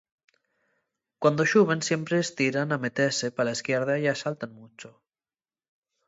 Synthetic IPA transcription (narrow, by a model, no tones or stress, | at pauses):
kwand̪oʃuβ̞ensjempɾeːst̪iɾanamet̪ɛsepalaeskɛɾð̞ajasalt̪anmut͡ʃo